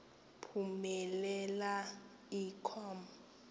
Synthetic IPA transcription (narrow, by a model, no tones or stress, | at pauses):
pʰumɛlɛla | ikʰɔm